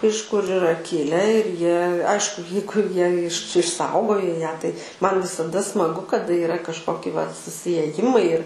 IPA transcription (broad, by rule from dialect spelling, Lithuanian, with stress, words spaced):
ɪʃ kʊr ɪˈrɐ ˈkʲɪlʲɛ ɪr ˈjiɛ ˈɐɪʃkʊ ˈjɛɪɡʊ ˈjiɛ ɪʃ ɪʃˈsɐʊɡoːjoː ˈjæː tɐɪ ˈmɐn ʋʲɪsɐˈdɐ smɐˈɡʊ kɐˈdɐ ɪˈrɐ kɐʃˈkoːkʲɪ ʋɐt sʊsʲɪeːˈjɪmɐɪ ɪr